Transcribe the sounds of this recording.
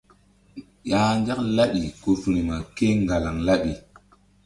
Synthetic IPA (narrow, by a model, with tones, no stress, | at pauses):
ja˨nɡa˦kla˦ɗi˨ko˨fɾi˨ma˨ke˦ŋɡa˨la˨ŋla˦ɗi˨